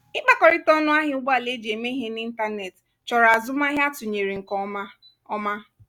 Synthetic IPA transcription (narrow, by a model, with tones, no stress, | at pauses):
ɪ˦k͡pa˨kɔ˨ɾɪ˦tɔ˦nʊ˦a˦ɦɪ˦ʊ˦ɡ͡ba˦˨le˦d͡ʒe˨me˦ɦe˦ni˦n̩˦ta˦ne˨t | t͡ʃɔ˨ɾa˨zʊ˦ma˦ɦja˦tʊ˨ɲe˨ɾi˨ŋ̩˨kɔ˨˦ | ɔ˦ma˦